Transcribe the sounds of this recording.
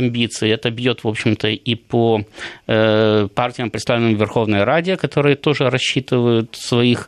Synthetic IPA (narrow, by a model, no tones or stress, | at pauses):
ɐmʲbʲit̪sɨɪɛt̪əbjo̞t̪vo̞pɕːɪmt̪əipo | partʲɪjəmpɾʲt̪st̪avlʲɪnəmvʲɪrxo̞vnəjəɾadʲɪəkɐt̪o̞ɾɨjət̪o̞ʐɨɾɐɕːit̪ɨvəjʊt̪svɐix